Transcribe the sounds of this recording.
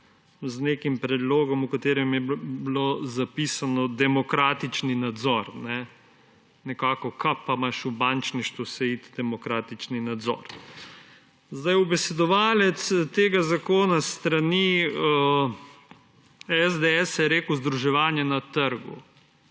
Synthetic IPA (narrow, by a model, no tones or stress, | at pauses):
znekimpɾɛd̪loːɡɔmukat̪eːɾɛmjɛblozapisanɔd̪ɛmɔkɾaːt̪it͡ʃninad̪zɔɾnɛ | nɛkaːkɔkʰapamaʃubant͡ʃniʃt̪usɛit̪d̪̥ɛmɔkɾaːt̪it͡ʃninad̪zɔ̰ɾ | zd̪ajubɛsɛd̪ɔʋaːlɛt̪st̪eːɡazakoːnast̪ɾani | ɛzd̪eɛsjɛɾeːkwzd̪ɾuʒɛʋaːnjɛnat̪əɾɡṵ